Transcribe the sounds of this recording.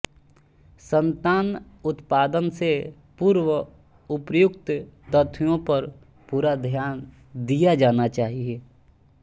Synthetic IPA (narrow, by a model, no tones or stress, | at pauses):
sə̃nt̪aːnʊt̪paːd̪ənse | puːɾwə | ʊpjʊkt̪t̪ət̪ʰwijõpəɾ | puːɾad̪ʱjaːn | d̪ijad͡ʒaːnat͡ʃaːɦieː